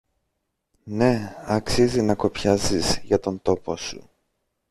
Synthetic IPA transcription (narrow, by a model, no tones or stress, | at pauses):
ne̞ɐksizinɐko̞pçɐzizʝɐt̪o̞nt̪o̞po̞sṵ